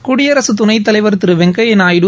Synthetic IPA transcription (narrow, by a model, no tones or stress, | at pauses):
kuɽɪjɐɾɐsɯt̪ʊnɐɪt̪̬ːɐlɐɪʋɐɾt̪ːɪɾɯʋɛŋɡɐjɛnaːjɽɯ